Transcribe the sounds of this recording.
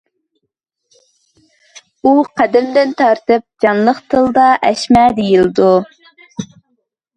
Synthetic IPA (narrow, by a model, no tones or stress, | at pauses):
uqʰæd̪ɪmd̪ɪnt̪ʰɑɾt̪ɨp̚d͡ʒɑnlˠəqt̪ʰɨlˠd̪ɑʔɛʃmɛd̪ejild̪u